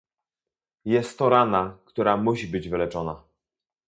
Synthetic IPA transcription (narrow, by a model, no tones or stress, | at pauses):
jɛst̪ːɔɾanakt̪uɾamuɕibɘd͡ʑvɘlɛt͡ʂɔna